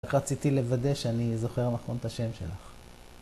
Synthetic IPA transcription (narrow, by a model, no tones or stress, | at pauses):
kʁat͡sit̪ile̞vad̪e̞ʃeanizo̞χe̞ʁnaχont̪aʃe̞mʃe̞̰la̰χ